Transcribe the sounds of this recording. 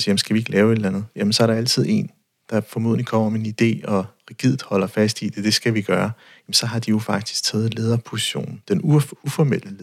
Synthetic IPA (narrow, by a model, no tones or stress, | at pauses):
sijemnsɡ̥æʋie̝ɡ̥əlʔɛːʊe̝d̥lænð̞̩ˠjæmensɒ̽æɐɾ̥ɑ̈æl̰t͡sʰið̞̰ˠe̝n | d̥ɑ̈fɒ̽mo̝ðˠleŋkʰɒ̽m̰ɐmeenid̥e̝̰ːɒ̽ʁiɡ̥ið̰ˠð̩ˠhɒ̽l̰ɐfæsd̥id̥e̝d̥e̝sɡ̥æʋiɡ̥ɶːɐ | jmensɒ̽ɦɑ̈d̥ijo̝fɑ̈ɡ̥̚d̥i̥sɡ̥̚t͡sʰɛːð̞̩ˠleːð̞ˠɐpʰo̝si̥ɕo̝̰ːnn̩d̥enuufɒmel̰ə